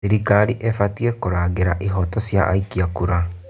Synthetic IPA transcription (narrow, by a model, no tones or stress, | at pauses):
iɾikaɾiʔefatiekoɾaːɡeɾaʔiɦɔtɔsja̰ʔa̰ikiakuɾa